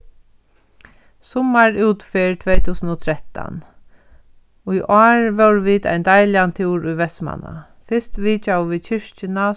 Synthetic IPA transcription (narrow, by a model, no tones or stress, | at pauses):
sɔmaɹʉːt̪fɪɹt̪ʰʋɛːt̪ʰuːsənot̪ʰɾɛt̪a̰n | ʊjʔaːɹʋɛwɾʋiːd̪a̰jnd̪ajlɪant̪ʰuːɾʊjʋɛsma̰na̰ | fɪst̪ʋiːt͡ʃawʋiːt͡ʃʰɪʂt͡ʃɪna